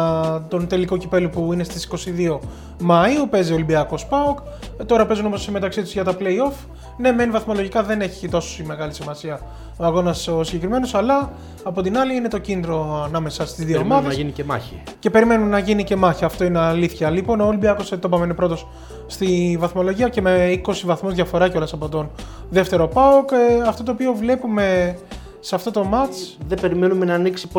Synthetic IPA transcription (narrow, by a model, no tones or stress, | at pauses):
t̪o̞nt̪e̞liko̞cipe̞lupuine̞st̪isi̥ko̞siðio̞ | mɐiupe̞ziolibiɐko̞spɐuk | t̪o̞ɾɐpe̞zuno̞mosme̞t̪ɐksit̪uzʝɐt̪ɐpleio̞f | ne̞me̞nivɐθmo̞lo̞ʝikɐðe̞ne̞çi̥t̪o̞so̥sime̞ɣɐlisimɐsiɐ | o̞ɐɣo̞nɐsosiɲɟekɾime̞no̞sɐlɐː | po̞t̪inɐliine̞t̪o̞cind̪ɾoɐnɐme̞sɐst̪izðioomɐðesiniemɐ̰ice̞pe̞ɾime̞nunnɐʝinice̞mɐçiɐft̪o̞ineɐliθçɐlipo̞noolibiɐkoset̪o̞pɐmeinepɾo̞t̪o̞sː | t̪ivɐθmo̞lo̞ʝiɐce̞me̞iko̞sivɐθmo̞zðʝɐfo̞ɾɐceo̞lɐsɐpo̞t̪o̞n | ðe̞ft̪e̞ɾo̞pɐokɐft̪o̞t̪oːpio̞vle̞pume̞ | seɐft̪o̞t̪o̞mɐt͡sðebe̞ɾimenumenɐːniksi̥p